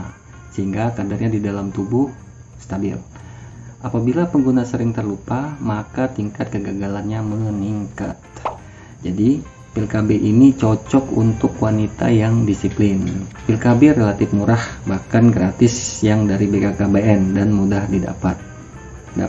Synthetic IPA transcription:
səɦiŋɡakadarɲadidalamt̪ubuh | st̪abɪ̰l | apabilapəŋɡunasəɾɪŋt̪ərlupamakat̪iŋkat̪̚kəɡaɡalanɲaməniŋka̰t̪̚ | d͡ʒadi | pilkabeʔinit͡ʃɔt͡ʃɔkunt̪ʊkwanit̪a̰jaŋdisiplɪnpilkaberelat̪ɪfmuɾahbahkanɡɾat̪ɪsjaŋdaɾibekakabeɛndanmudahdida̰pat̪̚ | da̰

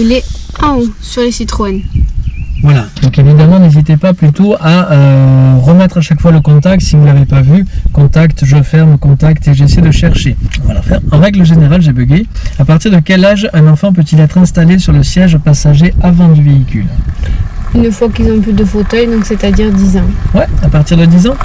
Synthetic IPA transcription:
leɛ̃osyʁlesit̪χɔɛn | vwalad̪ɔ̃kevid̪amɑ̃nezit̪epaplyt̪oaøʁəmɛt̪χaʃakfwaləkɔ̃t̪ak̚t̪sivulavepavykɔ̃t̪akt̪ʒəfɛʁmkɔ̃t̪akt̪eʒesɛjed̪əʃɛʁʃeaãfɛ̃ɑ̃ʁɛɡləʒeneʁalʒebəɡeapaʁt̪iʁd̪əkʲɛlaʒɛ̃nɑ̃fɑ̃p̬øt̪ilɛt̪χɛ̃st̪alesyʁləsjɛʒpasaʒeavɑ̃d̪yveikʲy̰l | ynfwakilzɔ̃ɛ̃pød̪əfot̪œjd̪ɔ̃kset̪ad̪iʁd̪izɑ̃wɛapaʁt̪iʁd̪əd̪izɑ̃

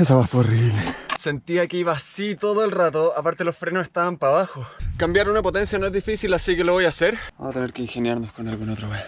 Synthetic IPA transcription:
esaβaforiβlese̞nt̪iakeiβasit̪oðoelrat̪̬oapaɾt̪elo̞sfɾenosest̪aβampaβaxokambjaɾunapo̞t̪e̞nsjanoezðifisilasikeloβojaseɾba̰at̪eneɾkeiŋxenjaɾnoskonalɣunot̪ɾaβe

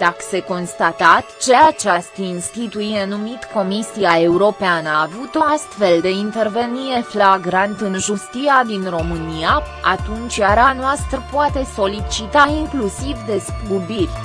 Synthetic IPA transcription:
d̪̥akə̥se̞ko̞nst̪at̪at̪t͡ʃe̞at͡ʃast̪əinst̪it̪uienumit̪ko̞misiae̞uɾo̞peanəːvut̪o̞ast̪fe̞ld̪e̞int̪e̞rve̞niɾe̞flaɡɾant̪ɨnʒust̪iad̪inro̞mɨnia | at̪unt͡ʃʲjaɾanoast̪ɾəpoat̪e̞so̞lit͡ʃit̪aiŋklusivd̪e̞skkubirʲ

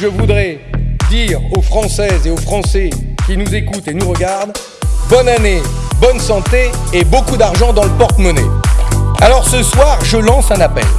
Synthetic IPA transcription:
ʒəvud̪ʁɛd̪iʁofχɑ̃sɛzeofχɑ̃sɛkʲinuzekut̪enuʁəɡaʁd̪ | bɔnanebɔnsɑ̃t̪eːbokud̪aʁʒɑ̃d̪ɑ̃ləpɔʁt̪mɔnḛ | alɔʁsəswaʁʒəlɑ̃sɛ̃napɛ̰l

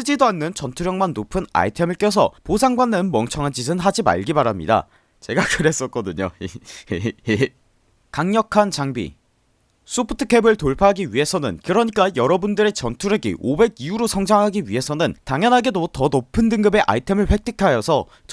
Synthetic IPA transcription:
s͈ɯd͡ʑidoanːɯnt͡ɕʌntʰuɾjʌŋmanːopʰɯna̰itʰe̞mɯɭk͈jʌs̬ʰʌ̰posʰaŋɡwanːɯnmʌŋt͡ɕʰʌŋɦand͡ʑis̬ʰɯnɦad͡ʑima̰ɭɡibaɾamɲḭda̰ | t͡ɕe̞ɡakɯɾe̞s͈ʌt̚k͈ʌdɯɲo̰j | e | kaŋɲʌkʰant͡ɕaŋbḭ | sʰopʰɯ̥tʰɯ̥kʰe̞bɯɭtoɭpʰaɦaɡiɥiɦe̞sʰʌnɯ̰nkɯɾʌɲik͈ajʌɾʌbundɯɾe̞t͡ɕʌntʰuɾjeɡḭʔobe̞ɡiuɾosʰʌŋd͡ʑaŋɦaɡiɥiɦe̞sʰʌnɯntaŋjʌnɦaɡe̞dotʌnopʰɯndɯŋɡɯbe̞ʔa̰itʰe̞mɯɭɸwe̞k̚t͈ʰɯkʰajʌsʰʌ | t͡ɕ

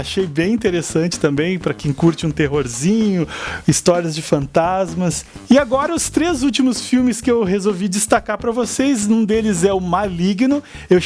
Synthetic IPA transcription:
aʃejbẽj̃ĩnt̪eɾesɐ̃nt͡ʃɪ̥t̪ɐ̃mbẽj̃pɾɐkẽj̃kuɾt͡ʃɪũt̪eɦoɾzĩɲʊist̪ɔɾiɐzd͡ʒɪfɐ̃nt̪azmɐsɪaɡɔɾɐʊst̪ɾezut͡ʃimʊsfiwmɪskɪewɦezowvid͡ʒist̪akaɾpɾɐvosejznũd̪elɪzɛʊmaliɡnʊ | ew

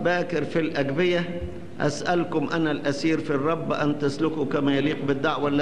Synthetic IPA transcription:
bæːkɪɾfilʔæɡbɪja | ʔa̰sʔælkʊmʔænælʔæsiːɾfirˤːɑbːʔænt̪aslʊkukæmæjaliːq̚bɪd̪ːaʕwalːæ

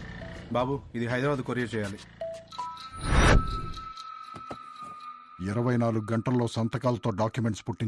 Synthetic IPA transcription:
baːbuid̪iɦɐjd̪ɾabaːd̪ukoɾijɐt͡ʃɛːjaːli | iɾɐʋɐjnaːluɡuɡɐɳʈɐlːo̞ːsɐnt̪ɐkaːlɐt̪oːɖaːkjume̞ɳʈspuʈːiɲ

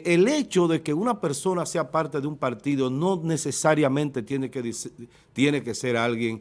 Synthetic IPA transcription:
ele̞t͡ʃo̞ðe̞ke̞unape̞ɾso̞nase̞apaɾt̪eðeumpaɾt̪iðo̞no̞ne̞sesaɾjamẽ̞nt̪e̞t̪jenekeðs | t̪je̞ne̞ke̞se̞ɾalɣje̞ŋ

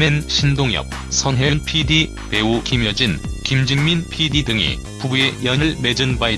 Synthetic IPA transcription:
menɕʰindoŋjʌ̰p̚ | sʰʌnɦeɯnpʰidi | pe̞ukimjʌd͡ʑinkimd͡ʑɯŋminpʰididɯŋḭ | pubue̞jʌɲɯɭme̞d͡ʑɯnbai

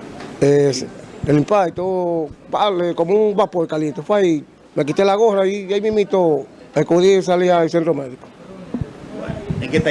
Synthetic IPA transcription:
eselimpait̪opaʔlekomubapoekalient̪ofai | mak̬it̪elaɣohɾaijajmimit̪o | akoðis̬aliais̬ent̪ɾomeðiko̥ | eket̪

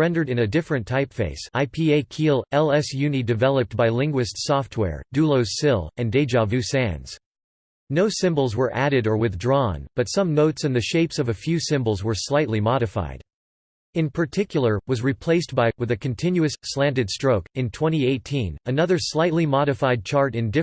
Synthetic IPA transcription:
ɹɛ̃ndə˞ɾɨ̃nɨdɪfɹɨ̃ntʰaɪpfḛɪsaɪpʰieɪkʰilˠɛlˠɛsjʉnidɨvɛlˠəp̚t̚b̥aɪlɪ̃ŋɡwɨstsɔft̚ʰwɛ̰ɹd̥ʉlˠoʊz̥sɪlˠɨ̃ndeɪd͡ʒɑvjʉsæ̃nz̥ | noʊsɪ̃mbl̩ˠzwə˞ʔæɾɨɾə˞wɨθdɹɔ̃nb̥ʌtsʌ̃mnoʊtsɨ̃nðɨʃeɪpsʌvɨfjʉsɪ̃mbl̩ˠzwə˞slaɪtˡlimɑɾɨfa̰ɪd̥ | ɨ̃npʰə˞tʰɪkʰjl̩ˠə˞wʌzɹipʰl̥eɪst̚b̥aɪwɨðɨkʰɨ̃n̩tʰɪ̃njʉɨsːlæ̃ndɨd̥stɹ̥oʊkɨ̃ntʰw̥ɛ̃ɾ̃ieɪtʰĩnɨnʌðə˞slaɪtˡlimɑɾɨfaɪd̚t͡ʃʰɑɹɾɨ̃ndɪ

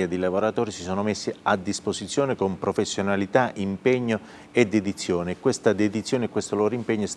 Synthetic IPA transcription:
ad̪ilavoɾat̪oːɾisisoːnomesːiad̪ːispozit̪sːjoːnekompɾofesːjonalit̪aʔimpeɲːo | ed̪ːed̪it̪sːjoːnekːwest̪ad̪ed̪it̪sːjoːnekːwest̪oloːɾoimpɛɲːos

